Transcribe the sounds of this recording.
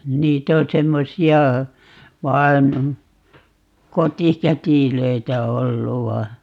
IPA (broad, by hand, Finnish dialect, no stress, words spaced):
niːt o semːosiɑ ʋɑen kotikætiløitæ olːu ʋɑ